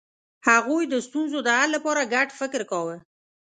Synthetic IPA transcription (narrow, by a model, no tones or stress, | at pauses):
haɣujd̪əst̪unzod̪əalːapɑɾaɡaʈfɪkɾkawe